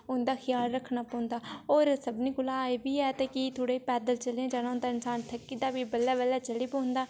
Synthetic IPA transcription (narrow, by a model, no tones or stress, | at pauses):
ʊnd̪aːxʰɪjaːlɾəkʰnaːpɔ̃ːnd̪aːɦoːɾsəbniːɡʊlaːebiːɛːt̪akit̪ʰoːɽeːpɛːd̪əlt͡ʃəlːãd͡ʒaːnãʊ̃nd̪aːɪnsaːnt̪ʰəkːiːd̪aːʋiːbəlːɛːʋəlːɛːt͡ʃəliːpõːnd̪aː